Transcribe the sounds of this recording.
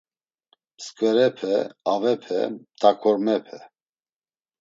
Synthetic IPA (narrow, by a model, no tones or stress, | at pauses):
skʼvɛɾɛpʰɛavɛpʰɛ̰t̪ʼakʰɔɾmɛpʰɛ